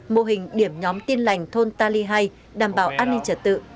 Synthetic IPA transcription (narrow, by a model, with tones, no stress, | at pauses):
mo˧˨ɦï˨˩ŋ̟ɗi˨˧˩əmɲɔ˨˦mt̪i˧ənla˨˩jŋ̟t̪ʰo˧nt̪aː˧li˧ɦa˧j | ɗaː˨˩mɓaː˧˩wʔaː˧nːï˧ŋt͡ɕə˧˩t̚t̪ɨ̰˧˨